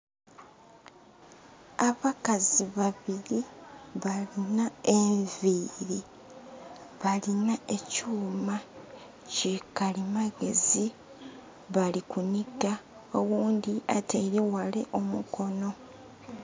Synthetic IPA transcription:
aβakaziβaβiɾiβalinaeɱɱviɾi | βalinae̞cuːma | cikalimaɡe̞̰zi | βalikuniɡa | owuːnd̪iatʰe̞ɾewale̞̰ʔo̞muko̞no̞

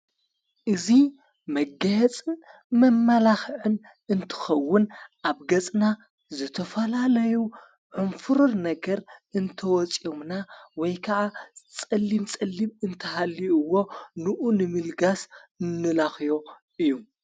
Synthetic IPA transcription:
ʔɨzi | mɐɡɐjɛt͡sʼɨn | mɐmːalaxʕɨn | ɨnt̪ʰɨ̥xɐwːʊnʔaβɡɐt͡sʼna | zɨt̪ʰɐfɐlalɐju | ʕɨnfɨɾonnɐɡɐɾɨnt̪ʰɐwɔt͡sʼjomnawɔjkʰɐʕat͡sʼɐlːimt͡sʼɐlːimɨnt̪ʰɐhalːiɨwːo̞nɨʔunɨmɨlɡasɨnːɨlaxjo̞ | ɨjːu

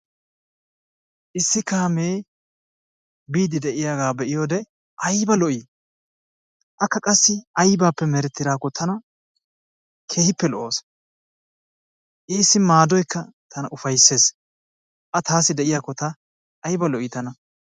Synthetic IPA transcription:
ʔɪsːɪkaːmeː | biːd̪ɪd̪ɛʔɪjaːɡaːbɛʔɪjoːd̪ɛ | ʔɐjbɐlɔʔiː | ʔɐkːɐkʼɐsːɪɐjbaːpːɛmɛɾɛt̪ːɪd̪aːkːɔt̪ʰɐnɐ | kʰe̞ːhɪpːɛlɔʔoːs | ʔiːsːɪmaːd̪ɔjkʰːɐt̪ʰɐnɐʔʊfɐjsːe̞ːs | ʔɐt̪aːsɪd̪ɛʔɪjaːkːɔt̪ɐː | jbɐlɔʔɪt̪ɐnɐ

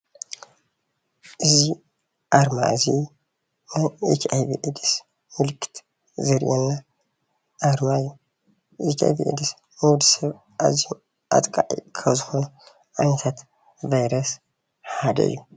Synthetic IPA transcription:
ʔɨzi | ʔaɾma̰ɨzi | najet͡ʃʰajbḭʔɨd̪ɨs | mɨlɨkʰɨ̥t̪ | zɐɾʔenːa | ʔaɾmajːu | ʔet͡ʃ̪a̰jvḭʔɨ̰d̪ɨs | mɨwd̪ɨsɐβ | ʔa̰zi | ʔa̰t̪ʼkʼaʕḭkʰɐβzɨxo̞nu | ʔanɐt̪ʰat̪ | vajɾɐs | ħad̪ɐ̰ɨ̰jːu

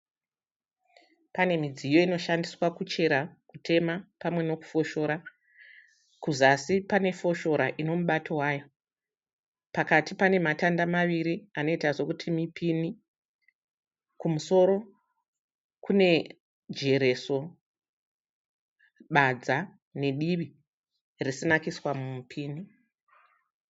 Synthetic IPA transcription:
pane̞mid͡zijo̞ino̞ʃandiswakut͡ʃe̞ɾakutʰe̞mapamwe̞no̞ku̥fo̞ʃo̞ːɾa | kuzasipane̞fo̞ʃo̞ɾaʔino̞muɓatʰo̞waːjo̞ | pakatipane̞matandamaʋiɾiano̞itaʐo̞kutʰimipini | kumuso̞ɾo̞ | kune̞ | d͡ʒe̞ɾe̞so̞ | ɓad͡za | ne̞ɗiʋi | risinakiswamumpʰiːni

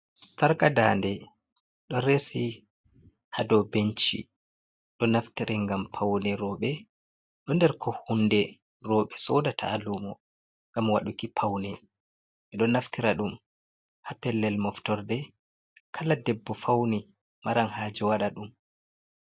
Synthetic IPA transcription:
saɾkadaːndɛ | ɗɔɾesi | hadɔbent͡ʃḭ | ɗɔnaftiɾʔɛŋɡampʰawnɛɾɔːɓɛ | ɗɔndɛɾkʰɔhundɛ | rɔɓɛsɔdatʰa̰ːlumɔ | ŋɡamwaɗukipʰawnɛ | ɛɗɔnaftiɾaɗum | hapɛlːɛlmɔftɔɾdɛ | kʰaladɛbːɔfawni | maɾanhaːd͡ʒɛwaɗaɗum

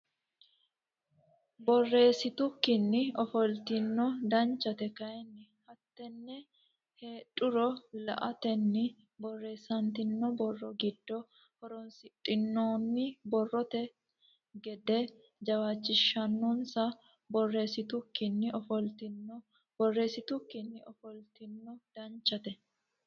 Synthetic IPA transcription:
bɔrːe̞ːsɪt̪ʊkːɪnːɪɔfɔlt̪ɪnːɔd̪ɐnt͡ʃːɐt̪ɛkɐjɛnːɪhɐt̪ːɛnːɛ | he̞ːtʼːʊɾɔlɐ̰ʔɐt̪ɛnːɪ | bɔrːe̞ːsɐnt̪ɪnːɔbɔrːɔɡɪd̪̥ːɔ | hɔɾɔnsɪtʼːɪnːoːnːɪbɔrːɔt̪ɛ | ɡɛd̪ɛ | d͡ʒɐwaːt͡ʃːɪʃːɐnːɔnsɐ | bɔrːeːsɪt̪ʊkːɪnːɪɔfɔlt̪ɪnɔ | b̥ɔrːe̞ːsɪt̪ʊkːɪnːɪʔɔfɔlt̪ɪnːɔd̪̥ɐnt͡ʃːɐt̪ɛ

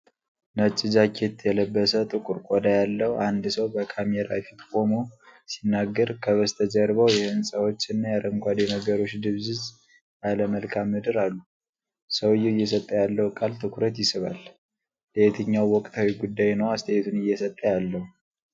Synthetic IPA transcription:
nət͡ʃʼːɨzakʰet̪jɛləbːəsət̪ʼɨkʼuɾkʼod̪ajalːəhuand̪səwbəkʰameɾa̰fit̪kʼo̞mosinːaɡːəɾkʰəβəst̪ʰəd͡ʒəɾβəwjɛhɨnsʼəwo̞t͡ʃːɨnːajaɾəmkʷad̪eməɡəɾo̞t͡ʃːd̪ɨβzɨz | ʔaləməlkʰamːɨd̪ɨɾalːu | səwɨjːɛɪjːɛsət̪ʼːəjalːəhukʼalt̪ʰɨkɾət̪jɪsɨβa̰l | let̪ʰɨɲːawːɔkʼt̪ʰawiɡud̪ːajnəwast̪ʰəet̪ʰunɨjːɛsət̪ʼːəjalːəhu

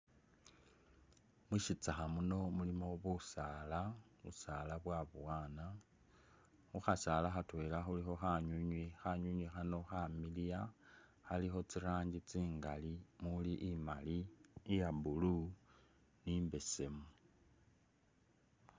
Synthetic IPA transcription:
mwiʃit͡saxamuno̞mulimo̞βusalaβṵsalaβwaβuwaːna | xuxasalaxatwelaxulixo̞xaɲuɲwixaɲuɲwixano̞xamilija | xalixo̞t͡siɾaːɲɟit͡siːŋɡalimuliʔimaliːjabulu | nimbe̞se̞mu

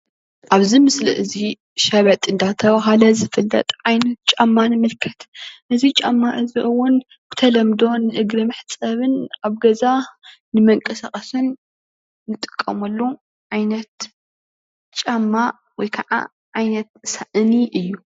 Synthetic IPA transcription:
ʔaβzimɨslḭʔɨzi | ʃɐβɐt̪ʼɨnd̪at̪ʰɐβaɦalɐzɨfɨlːɐ̰t̪ʼʕajnɐt̪̚t͡ʃʼamːanɨmɨlkʰɐt̪ʔɨzit͡ʃʼamːaʔɨziʔɨwːʊn | bɨ̥t̪ʰɐlɐmd̪o̞nɨʔɨɡɾɨmɨħt͡sʼɐβɨnaβɡɐza | nɨmɐŋkʼɐsaχʼɐsɨnː | ɨt̪ʼɨ̥kʼːɐ̰mɐlːu | ʕajnɐt̪ | t͡ʃʼamːa | wɔjkʰɐʕa̰ | ʕajnɐt̪̚saʔniʔɨjːu

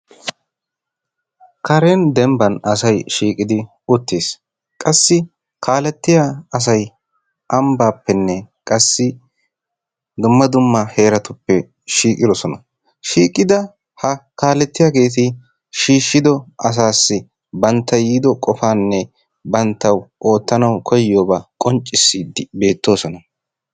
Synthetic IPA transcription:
kʰɐɾeːnd̪ɛmbɐnɐsɐjʃiːkʼɪd̪ɪ | ʊt̪ːeːs | kʼɐsːɪ | kʰaːlɛt̪ːɪjaɐs̬ɐj | ʔɐmbaːpːɛnːɛkʼɐsːɪ | d̪ʊmːɐd̪ʊmːɐhe̞ːɾɐt̪ʊpːɛ | ʃiːkʼɪd̪ɔsɔnɐ | ʃiːkʼːɪd̪ɐ | hɐkaːlɛt̪ːɪjaːɡe̞ːt̪̬ɪ | ʃiːʃːɪd̪ɔɐs̬aːsːɪ | bɐnt̪ːɐjiːd̪ɔkʼɔfaːnːɛ | bɐnt̪ːɐwʔo̞ːt̪ːɐnɐwkʰɔjɪjoːbakʼɔnt͡ʃʼːɪsːiːd̪ɪbe̞ːt̪ːo̞ːsɔnɐ

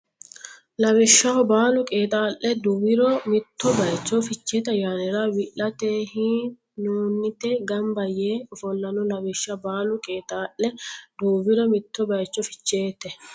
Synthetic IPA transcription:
lɐwɪʃːɐɔbaːlʊkʼeːt̪ʼaːʔːɛd̪uːwɪɾɔmɪt̪ːɔbɐjt͡ʃːɔfɪt͡ʃːeːt̪ɐjaːnɛɾɐwɪʔɐt̪eːhiː | nuːnːɪt̪ɛɡɐmbɐjeːfɔlːɐnɔlɐwɪʃːɐbaːlʊkʼeːt̪ʼaːʔːɛd̪uːwɪɾɔmɪt̪ːɔbɐjt͡ʃːɔfɪ̥t͡ʃːeːt̪ːɛ

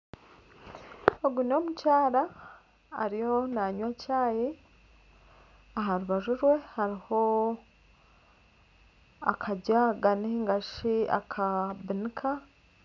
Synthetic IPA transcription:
oɡuno̞mucaːɾa̰ː | ɾijo̞naɲwacaːje | aɦaɾuβaʒuɾwe̞haɾiho̞ | a̰kʰaɟaɡaniiŋɡaʃia̰kʰabinikʰa

